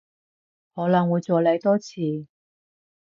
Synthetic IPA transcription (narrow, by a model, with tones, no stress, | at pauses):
hɔː˨˥lɐ˨˩ŋwu˨˧jt͡sɔː˨˧le˨˧jt̪ɔː˥t͡sʰiː˨˧